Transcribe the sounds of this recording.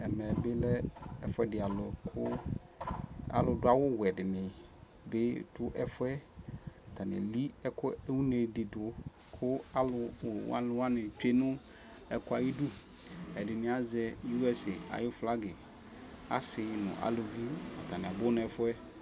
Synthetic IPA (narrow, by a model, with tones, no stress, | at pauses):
ɛ˨mɛ˨bɪ˦lɛ˦ɛ˦fʊ˦ɛ˦dɪ˨a˨lɔ˨kʰʊ˦ | a̰˦lʊ˨dʊ˦a˦wʊ˦wɛ˨dɪ˨mɪ̃˨ | bɪ˦dʊ˦ʔɛ˦fʊ˦ɛ˦a˨tʰa˨nɪ̰˨li˦ɛ˦kʰʊ˦ɛ˦wu˦ne˨dɪ˨dʊ˨ | kʰʊ˦a˦lʊ˨w̰a̰˦lʊ˨wa˦nɪ˨t͡ʃᶣe˦nʊ̃˦ | ɛ˨kʊ˦a˨ji˦du˦ | ɛ˨dɪ˨nɪ̃˨˦a˨zɛ˦ju˦ɛ˨sɪ˨a̰˨jʊ˦fla˦ɡɪ˨ | a̰˦sɪ˨˦nʊ̰̃˨ʔa̰˨lʊ˨vi˦a̰˨tʰa˨nɪ̃˨a˨bʊ˦nʊ̃˦ɛ˨fʊ˦ɛ˦